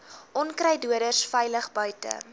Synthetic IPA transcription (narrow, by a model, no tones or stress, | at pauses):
ʔɔnkɾɛjduədərsfɛjləχbœɥtə̰